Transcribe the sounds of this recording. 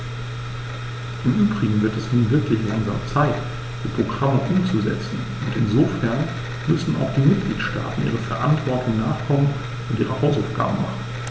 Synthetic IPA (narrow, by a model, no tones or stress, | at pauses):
ʔɪmʔyːbʁɪɡŋ̩vɪɐtɛsnuːnvɪɐklɪçlaŋza̰ːmt͡saɪt | d̥iːpʁ̥oɡʁaməʔʊmt͡suzɛ̰t͡sn̩ | ʔʊntɪnzoːfɛɐn | mʏsn̩ʔa̰ʊxd̥iːmɪt̚ɡ̥liːtʃta̰ːtn̩ʔḭːʁəfɛɐʔa̰ntv̥ɔɐtʰʊŋnaːχkʰɔmən | ʊntiːʁəhaʊsaʊfɡ̥a̰ːbəma̰χn̩